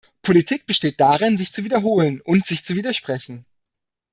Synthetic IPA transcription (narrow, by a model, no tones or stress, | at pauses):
pʰolitʰiːk̚b̥əʃteːt̚d̥aʁɪnzɪçt͡suviːdɐɦoːlənʔʊntz̥ɪçt͡suviːdɐʃpʁ̥ɛçn̩